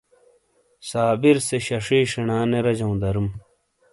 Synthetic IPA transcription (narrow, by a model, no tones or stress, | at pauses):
saːbiɾseɕɐʂiːʂinaːneɾɐd͡ʑɐw̃d̪ɐɾum